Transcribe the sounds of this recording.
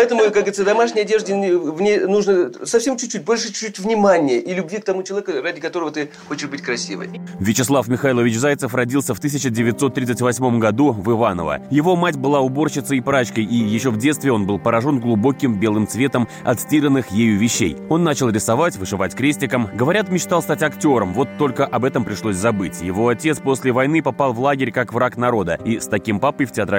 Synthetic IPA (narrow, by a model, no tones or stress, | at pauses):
ɐɛt̪əmʊkaɡəɨɪt̪əd̪ɐmaʂnʲɪjɐdʲeʐdʲɪvnʲejnuʐnəsɐfʲsʲe̞mt͡ɕːʊ̥t̚ʲt͡ɕːut̚ʲbo̞lʲʂɨt͡ɕutʲvnʲɪmanʲɪjəʔilʲʊbʲvʲik̚t̪ɐmut͡ɕɪlˠɐvʲekradʲɪkɐt̪o̞ɾəvət̪ɨ | xot͡ɕɪʂbɨtʲkɾɐsʲḭvə̰jvʲɪt͡ɕɪslˠafmʲɪxajlˠəvʲɪt͡ɕzajt̪səfrɐdʲilˠsʲəft̪ɨsʲɪt͡ɕɪdʲɪvʲɪt̪so̞t̪ːɾʲit̪ətʲvɐsʲmo̞mɡɐd̪uvɨvanə̰və̰jɪvo̞matʲbɨlˠaʊbo̞rɕɪt̪səipɾat͡ɕkəjijɪɕːo̞vdʲe̞t̪st̪vʲɪo̞nbɨlˠpəɾɐʐo̞nɡlˠʊbo̞kʲɪmbʲe̞lˠɨmt̪svʲe̞t̪əmɐ̰t̪sʲtʲiɾənːɨxjejʊvʲɪɕːḛjo̞nːat͡ɕɪlˠɾʲɪsɐvatʲvɨʂɨvatʲkɾʲesʲtʲɪkəmɡəvɐɾʲat̪mʲɪt͡ɕt̪ɑlˠst̪atʲɐktʲo̞ɾəmvo̞t̪ːo̞lʲkəʔɐbɛt̪əmpɾʲɪʂlˠosʲzɐbɨtʲjɪvo̞ɐtʲet̪spo̞sʲlʲɪvɐjnɨpɐpɑlˠvlˠaɡʲɪɾʲkakvɾakn̪ɐɾo̞d̪əist̪ɐkʲimpapɨjftʲɪat̪ɾ